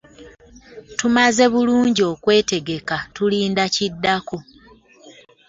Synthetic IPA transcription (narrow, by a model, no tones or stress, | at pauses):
tumaze̞βuluːɲɟo̞ːkwe̞ːte̞ɡe̞katuliːndacidːako̞